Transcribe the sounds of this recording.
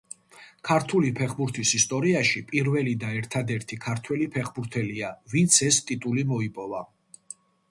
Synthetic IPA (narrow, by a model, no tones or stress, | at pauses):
kʰaɾt̪ʰulipʰɛχbuɾt̪ʰisist̪ʼɔɾiaʃipʼiɾvɛlid̪aɛɾt̪ʰad̪ɛɾt̪ʰikʰaɾt̪ʰwɛlipʰɛχbuɾt̪ʰɛliavint̪sʰɛst̪ʼit̪ʼulimɔipʼɔva